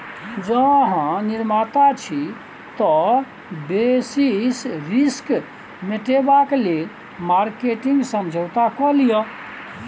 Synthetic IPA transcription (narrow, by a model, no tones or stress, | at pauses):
d͡ʒəɦãniɾmat̪at͡ʃʰi | t̪ɔ | besisɾisk | meʈebaklel | maɾkeʈiŋɡsəmd͡ʒʱəwt̪akɔlijɔ